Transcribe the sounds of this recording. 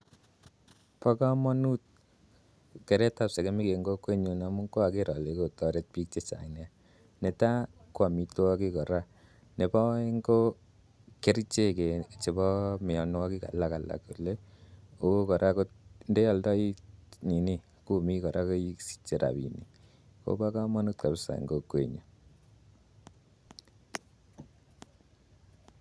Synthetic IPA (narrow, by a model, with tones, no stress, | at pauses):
pɔ˦ka˦mɔ˦nu˦t̚ | kɛ˨ɾɛ˦ta˨pse˨ke˦mi˦ke˨ŋɡo˦kːwe˦ɲu˨na˨mu˦ŋko˦a˨ke˦ɾɔ˨le˨ko˨tɔ˨ɾe˦t̚pi˦k̚t͡ʃe˦sa̰˨ŋna˦ | nɛ˨ta˦kwa˨mi˧tɔ˦ki˦kɔ˨ɾa˦ | ne˨pɔ˦e˦ŋɡo˦ | ke˦ɾi˦t͡ʃe˦ke˨t͡ʃe˨bɔ˦mi˨jɔ˨n˦wa˦ki˦ka̰˨la˦ka˨la̰˨ku˨le˦o˦kɔ˨ɾʔa˦ko˦t̚nde˦ɔ˨ldɔ˦i˦ɲi˨ni˦ | ku˨mi˦kɔ˨ɾa˦ko˦i˦ksi̥˦t͡ʃːe˨ɾa̰˨bḭ˨ni˨ | ko̰˦ba˦ka˦ma˦nu˦tka˨psa̰˨ŋɡo˦kwe˨ɲɔ˨